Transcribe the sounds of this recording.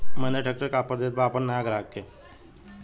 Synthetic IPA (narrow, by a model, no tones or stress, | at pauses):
mənd͡ʑ̪aʈʰək̚ʈəɾkapəɾd̪et̪̚baapəɳnajaɡɾakːe